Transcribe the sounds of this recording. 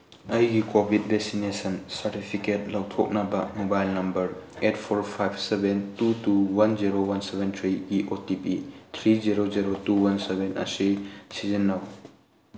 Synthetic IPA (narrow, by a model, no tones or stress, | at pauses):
ɐjɡikobʱit̚bek̚sinesɐnsɐɾtipʰiket̚lɐwtʰok̚nɐbɐmobajlnɐmbɐɾet̚pʰoɾpʰajbsebentutuwɐnd͡ʒiɾowɐnsebentʰɾiɡiʔotipit̪ʰɾiziɾoziɾotuwɐnsebenɐ̰sisizinːɐw